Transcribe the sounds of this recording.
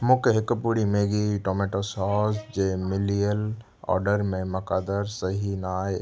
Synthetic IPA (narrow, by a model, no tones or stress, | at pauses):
mʊ̃keɦɪkəpuɽimeːɡiʈoːmeːʈosɔːsd͡ʒeːmɪlijəl | ɔ̰ːɾɖəɾmẽmɐkaːd̪əɾsɐɦinaː